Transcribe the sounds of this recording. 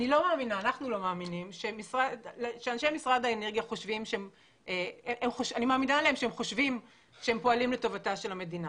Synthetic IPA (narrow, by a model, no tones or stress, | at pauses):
anilo̞maːminaːnaχnulo̞maːminimʃemisʁadlʃeanʃejmisʁadaeneʁɡjaχo̞ʃvimʃeem | ʔeeʔemχoʃanimaːminaleemʃeemχo̞ʃvim | ʃeempo̞alimleto̞vataʃe̞lhame̞dina